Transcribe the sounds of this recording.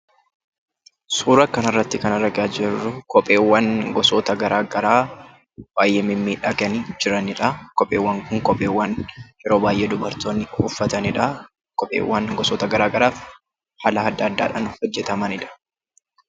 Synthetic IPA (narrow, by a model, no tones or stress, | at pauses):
suːɾɐkɐnɐrːɐt̪ːɪkɐnɐɾɐɡaːd͡ʒɛrːʊkɔpʼːe̞ːwːɐŋɡɔsoːt̪ɐɡɐɾaːɡɐɾaː | b̥aːjʔeːmɪmːiːᶑɐɡɐnid͡ʒɪɾɐnɪᶑɐkɔpʼːeːwːɐŋkʊŋkʼɔpʼːe̞ːwːɐnjɛɾo̞ːbaːjʔeːd̪ʊbɐɾt̪oːnːɪʊfːɐt̪ɐnɪᶑɐ | kʼɔpʼːḛːwːɐŋɡɔsɔːt̪ɐɡɐɾaːɡɐɾaːf | hɐlɐɐd̪ːaːd̪̰ːᶑɐnhɔd͡ʒːɛt̪ɐmɐnɪᶑɐ̥